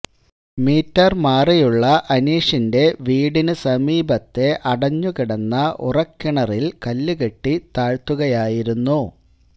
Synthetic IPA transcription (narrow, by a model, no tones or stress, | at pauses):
miːtːɐrmaːrijuɭːɐʔɐniːʂinde̞ʋiːɽinɨsɐmiːbɐt̪ːe̞ʔɐɽɐɲːukiɽɐnːɐʔṵrɐkːiɳɐrilkɐlːuɣeʈːit̪aːɻt̪uɣɐjaːjiɾunːu